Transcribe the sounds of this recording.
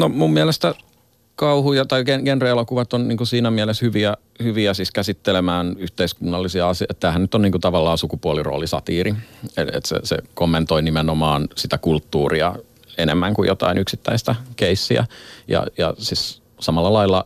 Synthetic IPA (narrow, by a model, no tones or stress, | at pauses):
nomummiælest̪æ | kɑuhujɑt̪ɑikenkenreelokuʋɑt̪ːonnḭːŋkusiːnæmiæleshyʋiæ | hyʋiæsiskæsit̪ːelemæːnyht̪eiskunːɑlːisiɑɑsiɑet̪t̪æːhænnyt̪ːonniːŋkut̪ɑʋɑlːɑːsukupuoliro̰ːlisɑt̪iːrieḛt̪sḛsḛkomːent̪oinimenomɑːnsit̪ækult̪ːuːriɑ | enemːæŋkujot̪ɑ̰inʔyksit̪ːæist̪ækeisːḭæ̰jɑ̰jɑ̰sis | sɑmɑlːɑlɑilːɑ